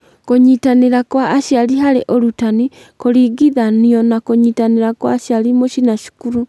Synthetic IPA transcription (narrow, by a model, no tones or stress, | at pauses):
koɲitaneɾakwaʔːʃjaliɦaɾeʔoɾutani | koɾiɡiðaniɔnakoɲitaneɾakwaːʃjalimoʃinaʃi̥kuɾu